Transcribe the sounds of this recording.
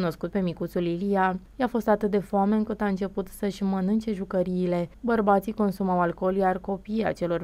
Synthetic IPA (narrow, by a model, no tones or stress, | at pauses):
no̞skut̪̚pe̞mikut̪sulilija | jafo̞st̪at̪ɨt̪̚d̪e̞foame̞ɨŋkɨt̪aɨnt͡ʃe̞put̪səʃʲmənɨnt͡ʃe̞ʒukəɾiːle̞bərbat̪siko̞nsumawalko̞ljarko̞pija̰t͡ʃe̞lo̞r